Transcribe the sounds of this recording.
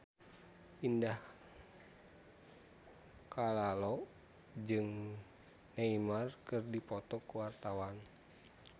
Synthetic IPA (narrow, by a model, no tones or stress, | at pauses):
ʔindah | kalalɔ | d͡ʒɨŋ | naimarkɨrdipɔt̪ɔkuwart̪awan